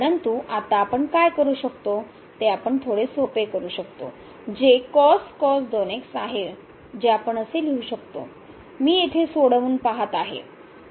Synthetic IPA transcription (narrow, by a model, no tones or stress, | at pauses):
əɾənt̪uʔat̪aːpəɳkajkəɾuːɕəkt̪o | t̪eapəɳt̪ʰoɽesopekəɾuːɕəkt̪o̰ | d͡ʑekɔskɔsd̪oneksaɦe | d͡ʑeapəɳəseliuːɕəkt̪o̰ | miːjet̪ʰesoɽəʋuːnpaɦat̪aɦḛ